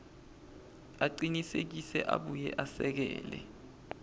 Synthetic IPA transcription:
aǃinisek̬isɛʔaɓujɛʔasɛk̬ɛ̰ːlɛ̰

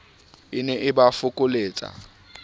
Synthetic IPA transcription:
ɪnɛʔɪbafʊkʼʊleːt͡sʼa̰

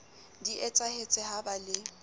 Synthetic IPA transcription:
diʔɛt͡sʼahet͡sʼɛhabalɪ

